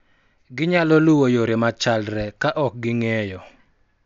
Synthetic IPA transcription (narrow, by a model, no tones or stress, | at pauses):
ɡɪɲalɔlʊwojoɾemat͡ʃalɾɛkaʔɔk̚ɡɪŋɛjɔ